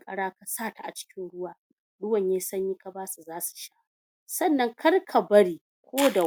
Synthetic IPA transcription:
kʼɐ˦ɽaː˦ka˨saː˦˨ta˨ʔa˨t͡ʃɪ̥˦kʲɪ˦nɽʊ˦waː˨ | ɗʊ˦wɐ˨ɲjaː˦sɐ˦ɲjiː˦ka˦baː˦su˨zaː˦su̥˨ʃaː˦ | sɐ˦˨nːɐ˦ŋkʰɐ˦rkʰa˨bɐ˦ɽiː˨ | kʷoː˦da˨

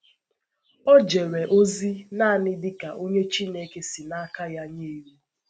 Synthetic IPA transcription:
ɔ˦d͡ʒe˨ɾe˨ʔo˦zi˦na˦a˨nɪ˦dɪ˦ka˨ʔo˦ɲe˦t͡ʃi˦ne˨ke˦sɪ˨na˦ka˦ja˦ɲe˦˨ɾu˦

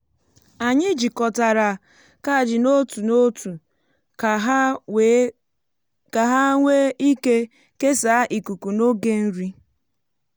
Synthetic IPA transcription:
a˨ɲɪ˦d͡ʒi˨kɔ˨ta˨ɾa˨ | ka˦˨d͡ʒɪ˨no˦tu˨no˦tu˨˦ | ka˨ɦa˦ŋʷe˦i˦ke˦ | ke˦sa˨˦ʔi˨ku˨ku˨no˦ɡe˦n̩˦ɾi˦

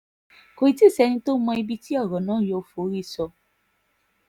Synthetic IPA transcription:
ko˧˨i˨˧ti˦˨sɛ˧nĩ˧to˦mɔ̃˧i˧bi˦ti˦ɔ˦˨ɾɔ˨nãː˦jo˧˦fo˨˦ɾi˦˨sɔ˧

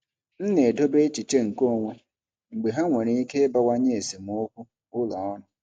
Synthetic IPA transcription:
n̩˦ne˨do˦be˦t͡ʃi˨t͡ʃe˦ŋ̩˨ko˦˨ŋʷe˨ | ŋ͡m̩˨ɡ͡be˨ɦa˦ŋʷe˨ɾe˦i˦ke˦ba˦wa˦ɲe˦e˨se˨m˨˦o˦kʷu˦ | ʊ˦la˨ɔ˦nʊ˨

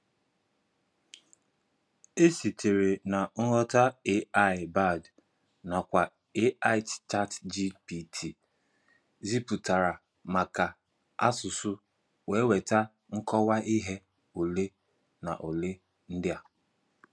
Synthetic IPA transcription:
e˦si˨tʰe˨ɾe˨na˨ŋ̩˦ɾɔ˦ta˦e˦a˦˨ɪ˨ba˦˨d | na˨kʷa˨ | e˦a˦ɪ˦tt͡ʃa˦td͡ʒi˦pi˨tʰi˨ | zi˦pu˨ta˨ɾa˨ | ma˨ka˨ | a̰˦sʊ˨sʊ˦ | we˨˦we˨ta˦ | ŋ̩˦kɔ˦wa˦i˦ɦe˦ | o˨le˦ | na̰˨ʔo˨le˦ | n̩˦dɪ˦a˨

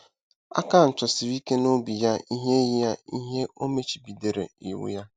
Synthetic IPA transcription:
a̰˦ka˦˨n̩˨t͡ʃɔ˨si˨ɾi˦ke˦no˦bi˨ja˦ʔi˦ɦe˦ji˦ja˦i˦ɦe˦ʔo˦me˦t͡ʃi̥˨bi˨de˨ɾḛ˨ḭ˨wʊ̰˦ja˦

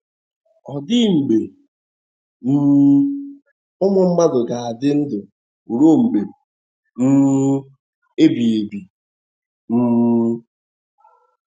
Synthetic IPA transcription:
ɔ˨dɪ˦ŋ͡m̩˨ɡ͡be˨ | m̩˦ | ʊ˦mʊ˨m̩˦ma˦dʊ˨ɡa˨a˨dɪ˦n̩˦dʊ˨ | u˨ɾo˦ŋ͡m̩˨ɡ͡be˨ | m̩˦ | e˦bi˨e˨bi˨ | m̩˦

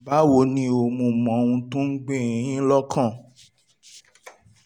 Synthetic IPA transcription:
ba˨˦wo˧˦nĩ˧o˧˨mũ˧mɔ̃˨˦˧wũ˧tũ˦n̩˦ɡ͡bẽ˦˨ĩ˨jĩ˦lɔ˦kʰã˦˨

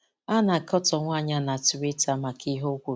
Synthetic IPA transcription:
a˦na˨kɔ˦tɔ˨ŋʷa˦˨ɲa˦na˨tʊ˨ɾe˦ta˨ma˨ki˦ɦo˦kʷu˨˦

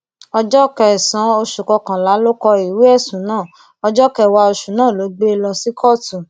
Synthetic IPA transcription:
ɔ˧d͡ʒɔ˦kɛ˧˨sã˨˦o˧ʃu˨kɔ˧kã˨la˨˦lo˦kɔ˧i˨wi˨˦ɛ˦˨sũ˨˦nãː˦˨ | ɔ˧d͡ʒɔ˦kɛ˧˨wa˧o˧ʃu˨nãː˦˨lo˨˦ɡ͡be˦˧lɔ˧si˦kʰɔ˦˨tũ˨

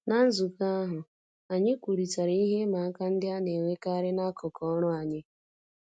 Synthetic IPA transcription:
na˦n̩˦zu˨ka˦ɦʊ˨ | a˨ɲɪ˦kʷu˨ɾi˨ta˨ɾa˨i˦ɦe˦ma˨˦ka˦n̩˦dɪ˦a˦ne˨ŋʷe˦ka˦ɾɪ˦na˦kʊ˨kɔ˦ɾʊ˦a˨ɲɪ˦

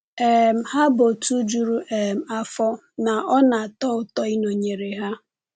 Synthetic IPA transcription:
e˨m̩˨ha˦bo˨tu˦d͡ʒu˨ɾu˦ʔe˨m̩˨a˦fɔ˦ | na˨ʔɔ˦na˨tɔ˦ʊ˦tɔ˦i˦no˨ɲe˨ɾe˨ɦa˦

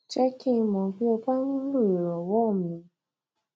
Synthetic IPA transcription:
t͡ʃɛ˦ki˦˧mɔ̃˨bi˦o˧ba˦nũ˦lu˦˨e˨ɾɔ˨wɔ˦˨mĩ˧˦

